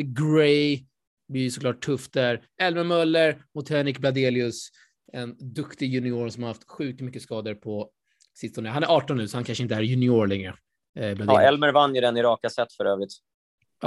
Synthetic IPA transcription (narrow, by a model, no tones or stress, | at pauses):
ɡɾɛj | byːsɔkʰlɑːʈʰːɵft̪̚d̪æɾ | ɛlmɛɾmœlːəɾmʊt̪ʰæːɳɪk̚blad̪eːlɪɵs | ɛnd̪ɵkt̪ɪjɵnɪoːɳsɔmaɾhaft̪ɧʉ̟ːk̚t̪mʏkːəskɑːd̪əɾpʰɔ | sɪst̪ɔnəɦanæɾɑːʈɔnːʉ̟ːsɔhankʰanʂəɪnt̪əæːɾjɵnɪoːɾɭɛŋɾə | blad̪ɪ̰ɛlməɾvanːjɪd̪ɛnɪɾɑːkasɛt̪ːfœɾøːvɾɪt̪ː